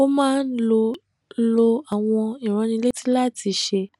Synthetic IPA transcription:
o˦mãː˦n̩˦lo˧˦ | lo˧a˨w̃ɔ̃˧i˨ɾ̃ã˧nĩ˧le˦tĩ˦la˦˨ti˧˦ʃe˧

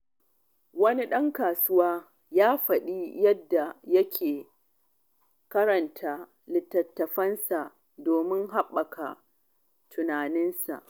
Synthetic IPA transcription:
wɐ˦ni˦ɗɐ˦ŋkaː˨sʊ˦waː˦ | jaː˦ɸɐ˨ɗiː˦jɐ˦dːa˨jɐ˦kʲʰeː˨ | kɐ˦ɾɐ˨ntʰaː˦ | lɪ˨tːɐ˨tːɐ˨ɸɐ˦nsa˨ʔ | doː˨mɪ˦ŋɦa˦ɓːɐ˨kʰa̰˨ | tʰʊ˨naː˨nɪ˦nsa̰˨ʔ

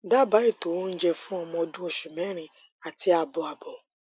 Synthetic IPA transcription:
da˦ba˨˦i˦˨to˨˦n̩˦d͡ʒɛ˧fũ˦ɔ˧mɔ̃˧ɔ˧dũ˦o˧ʃu˨mɛ̃˨˦ɾ̃ĩ˧ | a˨ti˧a˧bɔ˨a˨bɔ˨

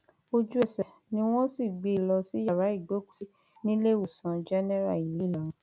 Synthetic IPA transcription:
o˦˧d͡ʒu˦ɛ˦˨sɛ˨ | nĩ˦w̃ɔ̃˦si˦˨ɡ͡be˧˨lɔ˧si˨˦ja˦˨ɾa˨˦i˦˨ɡ͡bo˨˦ku̥˦˨si˦ | nĩ˦le˦wu˨sã˨˧d͡ʒɛ˦nɛ˦ɾa̰˦˨i˨li˨˦˨lã˨ũ˨˧

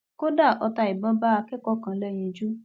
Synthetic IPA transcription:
ko˦da˦˨ʔɔ˧ta˧i˨bɔ̃˨˦ba˦a˧kɛ˦kɔ˦kã˧˨˦lɛ˦j̃ĩ˧d͡ʒu˦

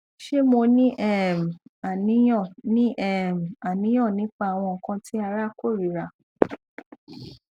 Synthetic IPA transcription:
ʃe˦mo˧nĩ˦ʔɛ˦˨m˨a˨nĩ˨˦˨nĩ˦ʔɛ˦˨m˨a˨nĩ˨˦j̃ɔ̃˦˨nĩ˨˦k͡pa˦a˨w̃ɔ̃˧˨kã˧ti˦a˧ɾa˦ko˦˨ɾi˨ɾa˨

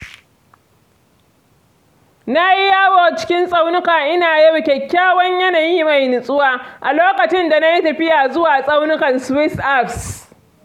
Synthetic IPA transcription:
na˦jɪ˦jaː˦woː˨t͡ʃɪ̥˦kʲɪ˦nsʼa˦wnʊ˦kaː˨ʔɪ˦naː˨jɛ˦ɽkʲɛ˨kʲːaː˦wɐ˦ɲjɐ˦naː˨jiː˦ma˨jnʊ˨sʼʊ˦waː˦ʔa˨loː˦kɐ˨t͡ʃɪ˦nda˨na˦ji˦tɐ˨ɸɪ˦jaː˨zʊ˦waː˨sʼa˦wnɪ˦kɐ˨nswɪ˦sʔa˦ɸs

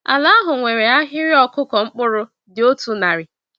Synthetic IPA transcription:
a̰˨la˦a˦ɦʊ˨ŋʷe˨ɾe˨a˦ɦɪ˦ɾɪ˦ɔ˦kʊ˦kɔ˨ŋ͡m̩˦k͡pʊ˦ɾʊ˦ | dɪ˨o˦tu˨na˨ɾɪ˨

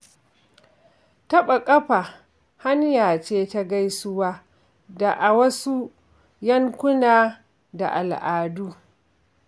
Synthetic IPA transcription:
tɐ˦ɓa˨kʼɐ˦ɸaː˨ | ha˦njaː˨t͡ʃeː˦ta˦ɡa˦jsʊ˦waː˦ | da˨ʔa˨wɐ˦su˦ | jɐ˦ŋkʷʊ˦naː˨ | da̰˨ʔa˨lʔaː˨duː˦

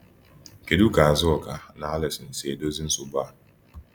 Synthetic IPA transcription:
ke˨du˦ka˨a˨zɪ˦ɔ˨ka˨na˨˦a˦lɪ˨sɪ˨n̩˨se˨do˦zi˦n̩˦sʊ˨ba˦˨

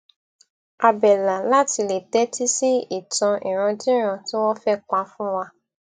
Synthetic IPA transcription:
a˧bɛ˨la˨la˦ti˧le˨tɛ˨˦ti˦si˦i˦˨tɔ̃˧ʔḭ˨ɾ̃ɔ̃˧dĩ˦ɾ̃ã˧˨ti˦wɔ˦fɛ˦k͡pa˧fũ˦wa˧

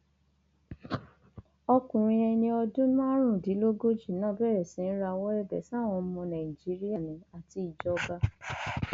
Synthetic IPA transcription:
ɔ˧kũ˨ɾ̃ĩ˧ɛ˧nĩ˧ɔ˧dũ˦nũ˦a˦ɾ̃ũ˦˨di˨˦lo˦ɡo˦d͡ʒi˦˨nãː˦˨bɛ˦˨ɾɛ˨sĩ˨˦n̩˦ɾa˧wɔ˦ɛ˦˨dɛ̰˨sa˦˨w̃ɔ̃˧˦mɔ̃˧nã˨i˨d͡ʒi˨˦ɾi˦ja˦˨nĩ˨a˨ti˧i˨d͡ʒɔ˧ba˧

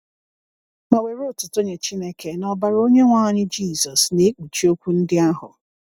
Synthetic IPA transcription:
ma˨we˨ɾo˦˨tʊ˨to˦ɲe˨t͡ʃi˦ne˦ke˨nɔ˨ba˨ɾo˦ɲe˦ŋʷaː˦ɲɪ˦d͡ʒiː˦˨zɔ˨sne˦k͡pu˨t͡ʃi˦o˦kʷu˦n̩˦dɪ˦a˦ɦʊ̰˨

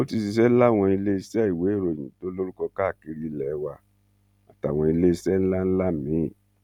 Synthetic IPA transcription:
o˦ti˧si˧sɛ˦n̩˦la˦˨w̃ɔ̃˧i˧le˦i˧sɛ˦˨i˨we˨˦˨ɾo˨j̃ĩ˨to˦lo˦ɾu˦kɔ˧ka˦˨ki˧ɾi˧˨lɛ˨˦wa˧˨ | a̰˨ta˨w̃ɔ̃˧i˧le˦i˧sɛ˦n̩˦la˦n̩˦la˦mĩ˨˦˨

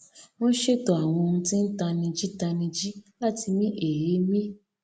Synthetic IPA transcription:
w̃ɔ̃˦ʃe˦˨tɔ˨a˨w̃ɔ̃˧nũ˧ti˦n̩˦ta˧nĩ˧d͡ʒi˦ta˧nĩ˧d͡ʒi˦la˦ti˧mĩ˦ʔe˨je˨˦mĩ˦

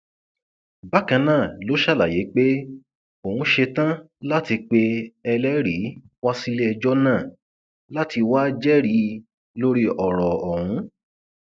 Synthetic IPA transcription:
ba˦kã˧nãː˦˨lo˨˦ʃa˦˨la˨je˨˦k͡pe˦ | o˨hũ˧˦ʃe˧tã˦ | la˦ti˧k͡pe˧ɛ˧lɛ˦ɾi˨˦ | wa˦si˦le˦ɛ˧d͡ʒɔ˦nãː˦˨ | la˦ti˧wa˦d͡ʒɛ˦ɾi˨˦ | lo˦ɾi˦ɔ˨ɾɔ˨ɔ˨hũ˨˧˦

